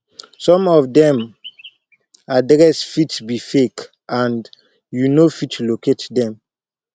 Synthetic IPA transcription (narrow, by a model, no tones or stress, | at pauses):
sɔ̃mɔfdɛ̃m | adɾɛsfitbifek | ʔãnd | junofitʰloketdɛ̃m